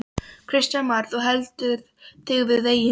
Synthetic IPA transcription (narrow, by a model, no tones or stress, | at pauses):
kʰɾ̥ɪsc̪anmaɾðɔɣɦɛlt̪ʏɾ | t̪ʰɪɣvɪðejɪ